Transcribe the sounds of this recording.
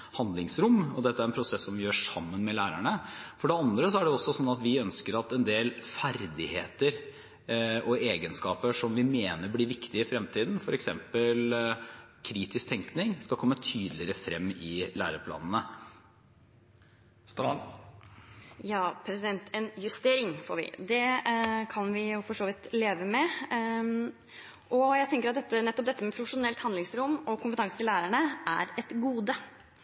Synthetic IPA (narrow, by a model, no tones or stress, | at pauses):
hɑnd̪lɪŋsɾʊmːɔd̪ɛt̪ːəæɾɛnpʰɾʊsɛsːɔmʋɪjøːʂɑmːənmɛlæːɾæɳəfɔɖɛɑnd̪ɾəsɔæɖɛɔsːɔsɔnːɑt̪ʋɪœnskəɾɑt̪ɛnd̪eːlfæɾd̪ɪheːt̪əɾ | ʔɔeːɡənskɑːpəʂɔmʋɪmeːnəɾbliːʋɪkt̪ɪəɪfɾɛmt̪ʰiːd̪n̩fɔɾɛksɛmpəl | kʰɾiːt̪ɪsk̚t̪ʰɛŋknɪŋskɑkʰɔmːət̪ʰyːd̪lɪɾəfɾɛmːɪlæ̰ːɾəpʰlɑ̰ːnən̩ə | s | jɑːpʰɾɛsɪd̪ɛnt̪ɛnjʉst̪eːɾɪŋfoːɾʋɪ̰d̪ɛkʰɑnʋɪjʊfɔʂoːʋɪt̪leːʋəmɛ | ʔɔjæɪt̪ʰɛŋkəɾɑt̪d̪ɛt̪ːənɛt̪ːɔp̚d̪ɛt̪ːəmɛpʰɾʊfəʂʊnɛlt̪hɑnd̪ɪŋsɾʊmːɔkʰʊmpət̪ɑŋsət̪ɪlæːɾæɳəʔæɾɛt̪ɡuːd̪ə